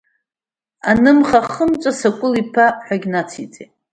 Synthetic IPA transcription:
anɨmχaχəmt͡ʃʷʼasakʷʼʊlipʰaħʷᶣaɡʲnat͡sʰit͡sʼe

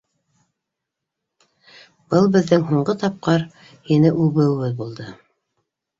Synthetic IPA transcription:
b̥ɤlˠbɘ̆ðːɘŋɦuɴɢɤt̪ɑp̚qɑɾ | hinɘʔʉβɘ̆wɘβɘðbulˠd̪ɤ

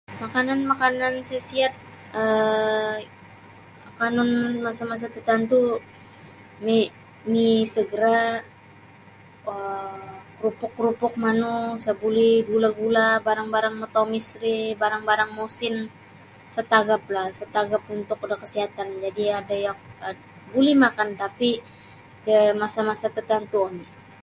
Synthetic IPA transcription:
makananmakanansəsiat̪̚ | ə | akanʊnmasamas̬at̪ət̪ant̪u | me | misəɡəɾa | əkɾupʊkːɾupʊk̚manusabuliɡulaɡulabaɾaŋbaɾaŋmət̪omisɾibaɾaŋbaɾaŋmosɪn | sət̪aɡaplahsət̪aɡapunt̪ʊkudakəsiɦat̪and͡ʒadiadajaŋa | bulimakant̪api | dəmasamasat̪ət̪ant̪uoni

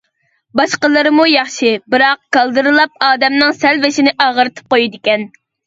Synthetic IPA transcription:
bɑʃqəlˠɨɾɨmujɑχʃɨbɨɾɑq̚kɑlˠd̪ɨɾɨlˠɑp̚ɑːd̪ɛmnɨŋsɛlvɪʃinɪʔɑːʁəɾɨt̪ʰɨ̥p̚qojid̪ɪkʲɛn

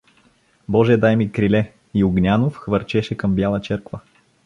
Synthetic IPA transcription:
bɔʒɛɛd̪ajmikɾilɛ | iʊɡnʲanofxvɐɾt͡ʃɛʃɛkɤmbjalˠət͡ʃɛɾkvə

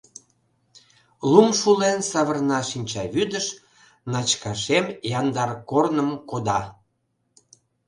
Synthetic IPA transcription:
lumʃulensɑβərnɑʃinʲt͡ɕɑβyd̪əʃ | nɑt͡ɕkɑʃemjɑnd̪ɑrkornəmkod̪ɑ

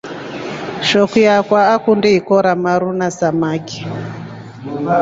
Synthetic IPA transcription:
ʃɔkijakwaːkundɛikɔɾamaɾunasamaki̥

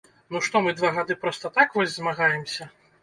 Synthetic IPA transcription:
nuʂt̪ɔmɨd̪vaɣad̪ɨpɾɔst̪ɐt̪akvɔzʲzmaɣajɛmsʲɐ

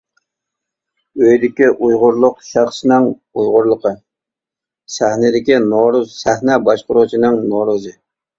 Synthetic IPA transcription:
øjd̪ɪkʲiʔujʁʊɾlˠʊqʃæχʃɪnɪŋ | ujʁʊɾlˠəqʰə | sæhnɪd̪ɪkʲinoɾuzsæhnɛbɑʃqʊɾut͡ʃʰinɨŋnoɾuzɨ

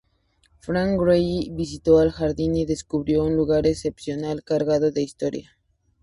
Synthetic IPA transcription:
fɾaŋkɾejβis̬it̪o̞alxaɾðiniðe̞skuβɾjo̞unluɣaɾese̞psjo̞nalkaɾɣaðo̞ðe̞ist̪o̞ɾja

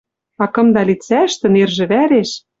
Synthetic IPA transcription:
ɑkɤ̆md̪ɑlʲit͡sæʃt̪ɘ̆nerʒɘ̆βæɾeʃ

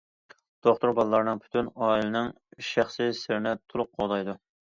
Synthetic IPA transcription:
d̪̥oχt̪uɾbɑlˠlːˠɑɾnɨŋpʰy̥t̪ʰynɑːilɨnɨŋ | ʃæχsɨsɪɾnɛt̪ʰʊlˠʊq̚qʰoʁd̪ɑjd̪u

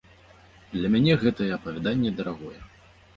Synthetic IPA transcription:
d̪lʲɐmʲanʲɛɣɛt̪ɐjɛɐpɐvʲɛd̪anʲːɛd̪ɐɾaɣɔjɛ

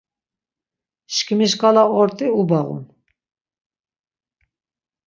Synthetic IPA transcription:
ʃkʰmiʃkʼalaɔɾt̪ʼiubaɣṵm

